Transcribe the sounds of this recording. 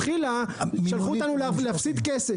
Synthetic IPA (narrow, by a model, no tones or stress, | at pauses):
χilaʃalχuot̪anulvleafsit̪kese